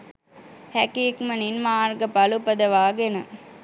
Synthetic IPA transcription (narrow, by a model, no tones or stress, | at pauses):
hækiːkmɐninmaːɾɡɐpɐlupɐd̪ɐʋaːɡenɨ